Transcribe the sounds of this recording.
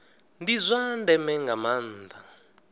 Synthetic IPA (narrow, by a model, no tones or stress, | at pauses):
ndizʷandɛmɛŋɡaman̩ːd̪a